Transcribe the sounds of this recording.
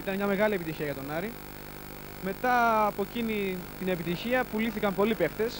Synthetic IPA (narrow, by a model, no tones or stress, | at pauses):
it̪ɐnmɲɐme̞ɣɐlie̞pit̪içiɐjɐt̪o̞nɐɾi | me̞t̪ɐːpo̞cinit̪ine̞pit̪içiɐpuliθikɐmpo̞lipe̞xt̪e̞s